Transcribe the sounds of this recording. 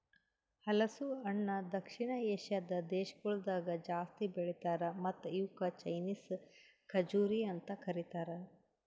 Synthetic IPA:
hɐlɐsuɐɳːɐd̪ɐkʂiɳɐeːʃjɐd̪ɐd̪eːʃɐɡuɭud̪aːɡɐd͡ʒaːst̪ibeɭit̪aːɾɐmɐt̪ːjuːkɐt͡ʃɐjniːskʰɐd͡ʒuːɾiɐnt̪ɐkʰɐɾit̪aːɾɐ

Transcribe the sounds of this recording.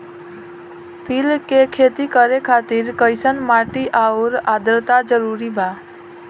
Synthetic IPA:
t̪ilkekʰet̪ikəɾekʰaːt̪iɾkəɪsənmaːʈiʔauɾad̪ɾt̪ad͡ʒəɾuɾibʱa

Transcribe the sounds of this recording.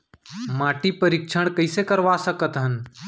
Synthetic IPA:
maːʈipəɾɪkʃʰəɽ̃kəɪsekəɾʋasəkət̪ɦən

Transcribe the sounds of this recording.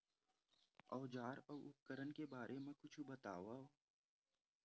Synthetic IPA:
ɔːd͡ʒaːɾɔːʊp̚kəɾənkebaːɾʔemẽkʊt͡ʃʰubət̪a̰ːʋaːo

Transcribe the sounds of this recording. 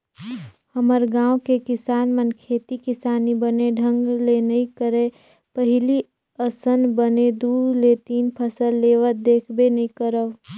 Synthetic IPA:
həməɾɡãːwkekɪsaːnmənkʰeːt̪ikɪsaːnibəneɖʱə̃ŋɡlenəĩkəɾe | pəɦɪli | əsənbəned̪uːlet̪iːnpʰəsəlːeːʋət̪̚d̪eːkʰbenɐĩkəɾəʋ

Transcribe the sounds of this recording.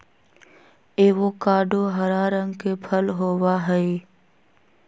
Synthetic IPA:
eːʋokaːɖoɦɐɾaːɾə̃ŋɡkepʰəlɦoːwaɦɛe

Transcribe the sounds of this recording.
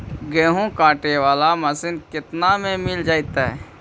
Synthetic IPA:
ɡɛːɦõkãːʈeʋaːlamɐsɪnkɪt̪namẽmɪld͡ʒaːit̪aɦɛ̰ː

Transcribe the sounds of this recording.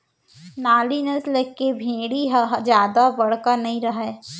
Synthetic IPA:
naːlinəsleːkebʱĩːɽiɦɦd͡ʒjaːd̪abɐɽ̤kanɐɦĩɾɐɦɛː

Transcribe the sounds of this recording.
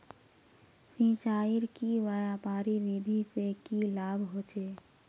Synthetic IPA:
sĩːt͡ʃaːɪɾkiʋəjaːpaːɾiʋid̪ʱisekilaːbʱɦoːt͡ʃeː

